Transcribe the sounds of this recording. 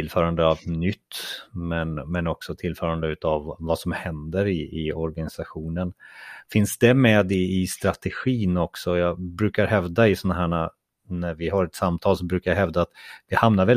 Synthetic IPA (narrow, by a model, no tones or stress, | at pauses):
ɪlfœːɾand̪əavnʏt̪ːmɛnmɛnɔksɔt̪ʰɪlfœːɾand̪əʉ̟ːt̪avvasɔmhɛnd̪əɾɪɪɔɾɡanɪsaɧuːnənfɪnsd̪ɛmɛːd̪ɪɪst̪ɾat̪ɛɧiːnɔksɔjɑːbɾʉ̟ːkaɾɦɛvd̪aɪsɔnaɦæːɳa | næɾvɪɦaɾɛt̪samt̪ʰɑːls̬ɔbɾʉkajaɦɛvd̪aːt̪vɪhamnaɾvɛl